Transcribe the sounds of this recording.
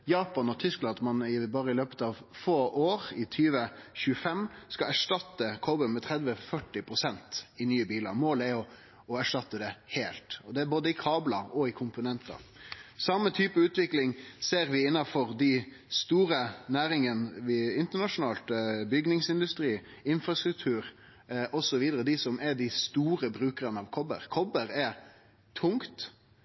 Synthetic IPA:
jɑːpɑnɔt̪ʰʏsklɑnd̪mɑnɪbɑːɾəɪløːpət̪ɑʋfoːʔoːɾɪt̪ʰyːʋəçʉːəfɛmskɑæʂʈɑt̪ːəkʰobənmɛt̪ʰʁɛd̪ʋəfœʈːɪpʰɾʊsɛnt̪ɪnyːəbiːlɑ̰ɾmoːlæɾjʊ | ɔæʂʈɑt̪ːəd̪ɛheːlt̪ɔd̪ɛæɾboːd̪əɪkʰɑːblɑɔɪkʰʊmpʊnɛnt̪ɑ̰sɑmːət̪ʰyːpəʉːt̪ʋɪklɪŋseːɾʋɪɪnːɑfɔɾd̪ɪ | st̪uːɾənæːɾɪŋənʋɪɪnt̪əɳɑʂʊnɑːlt̪bʏɡnɪŋsɪnd̪ʉst̪ɾiː | ɪnfɾɑst̪ɾʉk̚t̪ʰʉːɾ | ʔɔsɔʋiːd̪əɾəd̪ɪsɔmʔɛɖ̪ɪst̪uːɾəbɾʉːkəɾənəɑʋkʰɔbə̰ɾkʰɔbəɾɛɾ | t̪ʰʊŋkt̪

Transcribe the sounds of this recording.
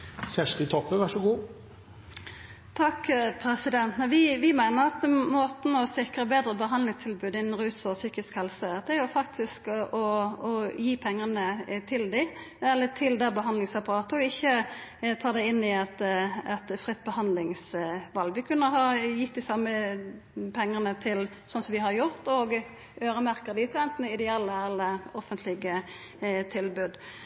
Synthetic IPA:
sæʂʈət̪ʰɔpːəʋæʂɔɡuː | t̪ʰɑkːpʰɾɛsɪd̪ɛnt̪nɑʋɪʋɪmæɪnəɾɑt̪moːt̪n̩ɔsɪkɾəbeːd̪ɾəbəɦɑnlɪŋst̪ʰɪlbʉːd̪ɪnn̩ɾʉːsɔsyːkɪskhɛlsəd̪ɛæɾjʊfɑk̚t̪ʰɪskʔɔɔjiːpʰɛŋːənət̪ʰɪld̪ɪ | ɛlːət̪ʰɪld̪æbəɦɑnd̪lɪŋsɑpɑɾɑːt̪əɔɪçːət̪ʰɑːd̪ɛɪɪnːɪɛt̪ɛt̪fɾɪt̪̚ːbəhɑnd̪lɪŋsʋɑlɡʋɪkʰʉnːəɦɑjɪt̪̚d̪ɪsɑmə | pʰɛŋːəʁnət̪ʰɪl | sɔnsɔmʋɪhɑɾjʊɾt̪oːɡ | øːɾəmæɾkəʁd̪ɪt̪ɛnt̪nɪd̪ɛɛlːəɛlːəɔfənt̪ʰlɪɡə | t̪ʰɪlbʉd̪

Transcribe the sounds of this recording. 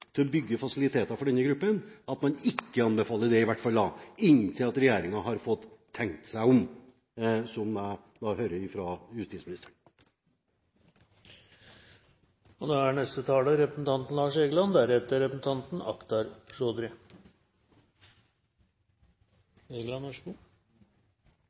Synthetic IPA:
t̪ʰɪlɔbʏɡːəfɑsɪlɪt̪ʰeːt̪ɑfɔɖɛnːəɡɾʉpːənɑt̪mɑnɪkːəɑnbəfɑːlːəɖ̪ɛɪʋæʈfɑld̪ɑːɪnt̪ʰɪlɑt̪ɾɛjeːɾɪŋɑɦɑɾfɔt̪ʰːɛŋkt̪sæɪɔm | sɔm | d̪ɑhøːɾəɾɪfɾɑjʉst̪iːtsmɪnɪst̪əɳ | ɔd̪oæɳɛst̪ət̪ʰɑːləɾɛpɾəsn̩t̪ʰɑnt̪n̩lɑːʂeːɡəlɑnd̪æɾhɛt̪əɾɛpɾsn̩t̪ɑnt̪n̩ɑ̰kt̪ɑɾʂoːd̪ɾɪ | eːɡlɑnʋæʂɡu

